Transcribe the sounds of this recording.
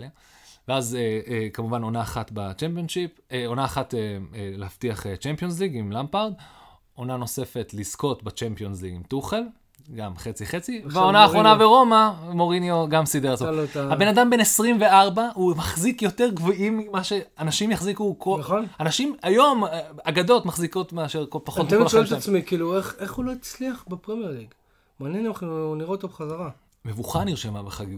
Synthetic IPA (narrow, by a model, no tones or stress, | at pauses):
veazeekamuvano̞naːχatba̰t͡ʃempionʃipo̞naːχateelehaftiaχet͡ʃempio̞ns̬liɡimlampaʁd̪ | o̞nano̞se̞fe̞tlizko̞tbat͡ʃempio̞nzliɡimt̪uχe̞l | ɡamχet͡siχe̞t͡siveaonaaːχʁonaveʁo̞mamo̞ʁinjo̞ɡamsid̪eʁtohabe̞nadambe̞nesʁimve̞aʁbaumaχzikjo̞t̪e̞ʁɡvoʔimimaʃe̞anaʃimjaχzikukonaχonanaʃimajo̞maɡad̪o̞tmaχziko̞t̪meaʃeʁkopaχot̪mkolʃet̪amsmikiːlueχeχuloit͡sliaχbepʁemjeʁliɡ | maːnjenχniʁeot̪obeχazaʁa | me̞vuχaniʁʃemabeχaɡiɡ